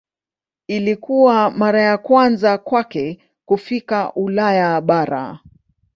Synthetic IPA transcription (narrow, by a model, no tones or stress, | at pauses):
ilikuwamaɾajakwanzakwakɛ | kufikaʔulajaɓaɾa̰